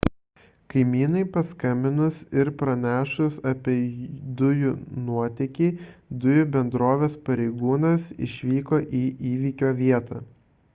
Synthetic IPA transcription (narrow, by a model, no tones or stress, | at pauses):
kɐɪmʲiːnɐɪpɐskɐmʲbʲɪnʊsɪɾpɾɐnʲæːʃʊsɐpʲiɛd̪ʊjʊnuɔt̪ʲɛkʲiːd̪ʊjʊbʲɛnd̪ɾoːʋʲeːspɐɾʲɛɪɡuːnɐsɪ̰ʃʲʋʲiːkoːʔiːʔiːʋʲiːkʲoːʋʲiɛt̪ɐː